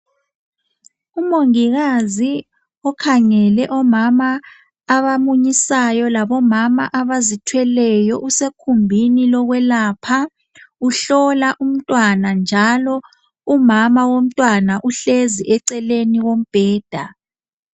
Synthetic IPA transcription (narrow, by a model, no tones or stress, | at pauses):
umoŋiɣazi | ɔkʰaŋɛlɛʔɔmamaː | βamuɲisajɔlaβɔmamaʔaβazitʰwɛlɛjɔʔusekʰumbʱinilɔɣwɛlapʰa | uɬɔlaʔum̩tʼwanand͡ʒʱalɔ | umamawom̩tʼwanaʔuɬeziʔɛǀɛleniɣom̩b̥ʱɛːd̥ʱa